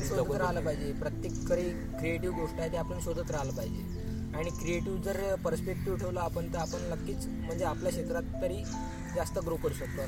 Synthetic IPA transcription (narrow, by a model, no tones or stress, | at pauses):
oləəɾaɦləpajd͡ʑepɾət̪jekːəɾiː | kɾieʈiʋɡoʂʈajet̪eapəɳɕod̪ʱət̪ɾaɦləpajd͡ʑe | aɽ̃ikɾieʈiʋd͡zəɾpəɾspek̚ʈiʋʈʰeʋlaapəɳt̪əapəɳnəkːiːt͡s | m̤əɳd͡zeapljaɕek̪ɾat̪ːəɾiː | d͡zast̪əɡɾokəɾuɕəklo